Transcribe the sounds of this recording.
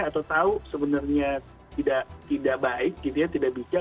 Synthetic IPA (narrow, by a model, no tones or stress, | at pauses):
at̪awt̪ausəbənərɲa | t̪idaʔt̪idaʔ̚baɪk̚ɡit̪ujant̪idaʔbit͡ʃa